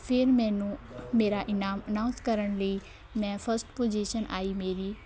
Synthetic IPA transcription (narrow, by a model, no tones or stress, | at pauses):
pʰɪɾmɛ̃ːnũmeːɾaʔɪnaːmənãːʊ̃nskəɾəɳ̃ləiː | mɛ̃pʰəɾsʈpoːd͡ʒiːʃənʔa̰ːiːmeːɾiː